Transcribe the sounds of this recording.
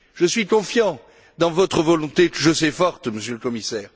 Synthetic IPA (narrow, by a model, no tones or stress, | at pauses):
ʒəsɥikɔ̃fjɑ̃ | d̪ɑ̃vɔt̪χəvɔlɔ̃t̪eʒəsɛfɔʁt̪məsjələkɔmisɛːʁ